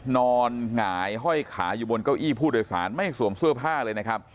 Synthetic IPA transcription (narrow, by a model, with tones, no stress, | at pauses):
nɔː˧nŋaː˩˦jɦɔ˥˩jkʰa̰ː˩˦juː˨˩bo˧nka˥˩wʔiː˥˩pʰuː˥˩doː˧jsa̰ː˩˦nma˥˩jsu˨˩˦əmsɯ˥˩əpʰaː˥˩lɤː˧jna˦˥kʰa˦˥p̚